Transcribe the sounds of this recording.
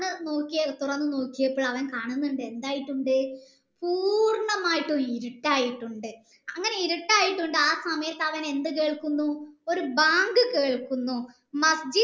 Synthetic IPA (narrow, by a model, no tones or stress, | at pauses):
ɨno̞ːkːijɐt̪urɐnːɨno̞ːkːijɐpːoːɭɐʋɐnkaːɳunːuɳɖɨe̞nd̪aːjiʈːuɳɖɨ | puːrɳɐmaːjiʈːuiɾuʈːaːjiʈːuɳɖɨ | ɐŋːɐneiɾuʈːaːjiʈːuɳɖɨaːsɐmɐjɐt̪ːɐʋɐne̞nd̪ɨke̞ːɭkunːuo̞ɾubaːŋɡɨkeːɭkunːu | mɐsd͡ʑi